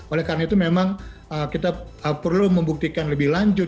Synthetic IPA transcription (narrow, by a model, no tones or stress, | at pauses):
olɛhkaɾənait̪umemaŋəkit̪aəpərluməmbuk̚t̪ikanləbɪhlaɲd͡ʒʊ